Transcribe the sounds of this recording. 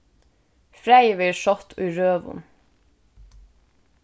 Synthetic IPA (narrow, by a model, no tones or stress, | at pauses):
fɾæɪəʋeːʃɔt̪ʰyːɹøːʋʊ̰n